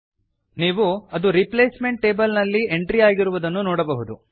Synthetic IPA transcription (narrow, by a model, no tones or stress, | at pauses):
niːʋuɐd̪uɾiple̞ːsme̞ɳʈ̚ːe̞ːbɐlnɐlːie̞ɳʈɾiaːɡiɾuʋud̪ɐnːunoːɽɐbɐɦud̪u